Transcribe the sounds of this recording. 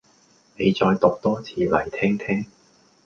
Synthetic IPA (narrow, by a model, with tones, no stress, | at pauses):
ne˨˧jt͡sɔː˧jt̪ʊ˨k̚t̪ɔː˥t͡sʰiː˨˧lɐ˨˩jt̪ʰɛː˥ŋt̪ʰɛː˥ŋ